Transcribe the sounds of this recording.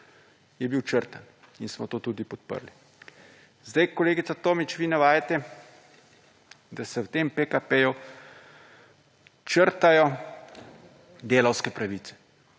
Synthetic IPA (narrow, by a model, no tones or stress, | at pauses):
jɛbiwt͡ʃəɾt̪an | insmɔt̪oːt̪ud̪ipɔt̪̚pə̰ɾli | zd̪ajkɔleːɡit̪sat̪oːmit͡ʃʋiːnaʋaːjat̪ɛ | d̪asɛwt̪eːmpekapeju | t͡ʃəɾt̪ajɔ | d̪eːlɐwskɛpɾaʋiːt̪sɛ̥